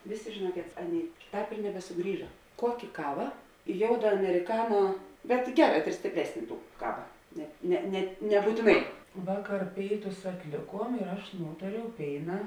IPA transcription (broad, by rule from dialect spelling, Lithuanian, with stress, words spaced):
ˈʋʲeːˌsʲeː ʒʲeːˈnuɔkʲeːt ˈɑːˌnʲeːɪ ˈtɑːp ɪr nʲɛbʲɛsʊˈɡrʲiːʒɐ ˈkuɔkʲeː ˈkɑːʋɐ ˈjoːʊdɐ ɐmʲɛrʲɪˈkɑːnoː bʲɛt ˈɡʲæːˌrɑː sʲtʲeːpʲˈrʲɛsʲnʲ ˈtuː ˈkɑːʋɐ nʲɛt ˈnʲɛ nʲɛt nʲɛbuːtʲɪˈnɐɪ ˈʋɑːˌkɐr ˈpʲeːɪˌtʊs ɐtʲˈlʲeːˌkuɔm ɪr ˈɐʃ ˈnuːtɐrʲɛʊ ˈpʲeːɪnɐ